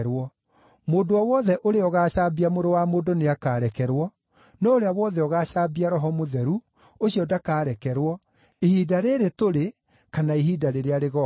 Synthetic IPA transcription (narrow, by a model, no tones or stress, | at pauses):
ɾwɔ | moːndoɔwɔðɛʔoɾeɔɣaːɕabiamoɾowamodoneakaːɾɛkɛɾwɔ | nɔoɾeawɔðɛɔɣaːɕaːbiaɾɔɦɔmoðɛɾu | oɕiɔdakaːɾɛkɛɾwɔ | ehidaɾeɾetoɾe | kanaeɦidaɾeɾeaɾeɣɔ